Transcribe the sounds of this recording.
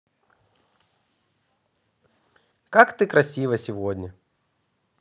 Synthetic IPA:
kakt̪ɨkɾɐsʲivəsʲɪvod̪ʲnʲə

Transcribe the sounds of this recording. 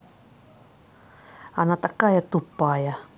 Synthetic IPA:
anat̪akajat̪upːaja

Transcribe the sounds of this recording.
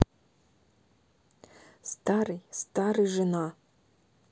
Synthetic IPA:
st̪aɾɨjst̪aɾɨʐɨna

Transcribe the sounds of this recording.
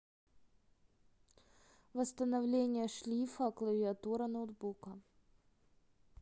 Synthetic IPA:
vəst̪ənɐvlʲenʲɪjəʂlʲifəklˠəvʲɪɐt̪uɾənowd̪bukə

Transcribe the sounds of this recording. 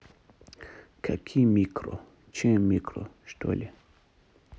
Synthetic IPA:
kʰakʰimikɾo̰ | t͡ʃɛmikɾo̰ʃt̪o̰lʲɛ

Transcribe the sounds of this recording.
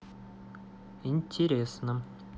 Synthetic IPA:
inʲtʲɪɾʲesnə

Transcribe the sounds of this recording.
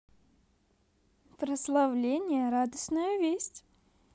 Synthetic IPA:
pɾəslˠɐvlʲenʲɪjəɾad̪əsnəjəvʲesʲtʲ

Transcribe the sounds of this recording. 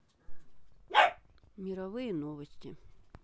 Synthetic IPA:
mʲiɾɐʋɪjinɔʋɐsʲtʲi

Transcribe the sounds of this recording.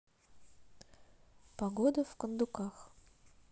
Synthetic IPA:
pɐɡod̪əfkənd̪ʊkax

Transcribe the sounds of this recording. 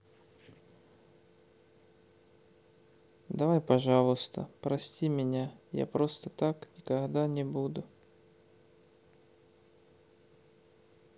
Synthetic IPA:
d̪ɐvajpɐʐɑlˠʊst̪ə̰pɾɐsʲtʲimʲɪnʲaja̰pɾo̞st̪ət̪aknʲɪkɐɣd̪anʲɪbud̪ʊ

